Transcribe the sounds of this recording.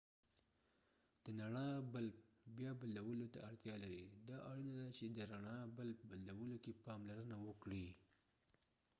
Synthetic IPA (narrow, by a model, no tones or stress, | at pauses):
d̪̥ənaɳɑbəlp̚bjɑbad̪lawəlot̪aaɽt̪jɑlaɾid̪ɑʔaɽinad̪at͡ʃed̪əɾaɳɑbəlpbad̪lawəlokepɑmlaɾənawəkɽi